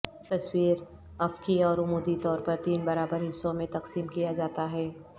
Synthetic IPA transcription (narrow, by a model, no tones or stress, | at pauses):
t̪ɐswiːɾ | ɐfkiɔːɾʊmuːd̪it̪ɔːɾpɐɾt̪iːnbɐɾaːbəɾɦɪsːõmẽt̪ɐqsiːmkijad͡ʒaːt̪aɦɛː